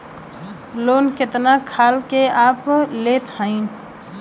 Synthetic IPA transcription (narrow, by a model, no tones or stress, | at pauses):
loːnket̪nakʰaːlkeaːplet̪hə̃ɪn